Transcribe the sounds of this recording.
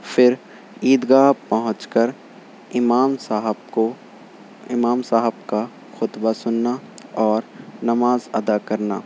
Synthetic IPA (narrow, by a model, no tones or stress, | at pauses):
fɪɾ | iːd̪ɡaːpɐɦʊ̃t͡ʃkəɾ | ɪmaːmaɦbko | ɪmaːmsaːɦəb̚ka | xʊt̪basʊnːaɔːɾnɐmaːzɐd̪akɐɾna̰ː